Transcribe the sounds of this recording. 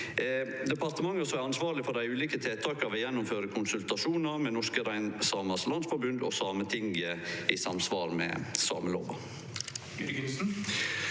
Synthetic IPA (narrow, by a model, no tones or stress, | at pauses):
d̪ɛpʰɑɾt̪əmɑŋːəsɔmæɾɑnsʋɑːɾɭɪfɔɖ̪æɪʉːliːkət̪ʰeːt̪ʰɑːkəɑʋɔjɛnːʊmføːɾəkʰʊnsʉlt̪ɑʂuːnɑɾmɛnɔʂkəɾæɪnsɑːmɑslɑnsfɔɾbʉnd̪ɔ̰sɑːmət̪ʰɪŋəɪsɑmsʋɑːɾmɛ̰sɑ̰ːməlo̰ːʋɑ̰